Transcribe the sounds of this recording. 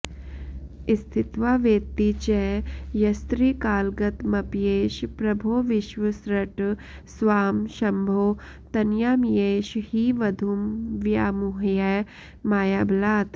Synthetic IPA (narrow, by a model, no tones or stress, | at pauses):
ɪst̪ʰɪt̪ʋaːʋeːt̪it͡ʃɛːjɐst̪ɾikaːlɡɐt̪mɐpjeːʃpɾɐbʱoːʋɪʃʋəsɾɐʈ | sʋaːmʃɐmbʱoː | t̪ɐnjaːmjeːʃhiʋɐd̪ʱumʋjaːmuɦjɛ | maːjaːblaːt̪